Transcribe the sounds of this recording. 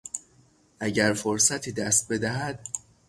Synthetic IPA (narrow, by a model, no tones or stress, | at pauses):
ʔæɟæɾfoɾsæt̪ʰiːd̪æst̪̚be̞d̪æɦæd̪̥